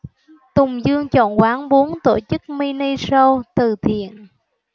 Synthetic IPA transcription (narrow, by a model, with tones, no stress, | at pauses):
t̪ʊ˨˩ŋ͡mzɨ˧əŋt͡ɕɔ̰˧˨nkwaː˨˦nɓu˨˦ənt̪o˧˩t͡ɕɨ˦˥k̚mi˧ni˧so˧t̪ɨ˨˩t̪ʰḭ˧˨ən